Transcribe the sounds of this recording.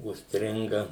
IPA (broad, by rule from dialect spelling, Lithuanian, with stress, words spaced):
ʊʃʲsʲˈtʲrʲɪŋɡɐ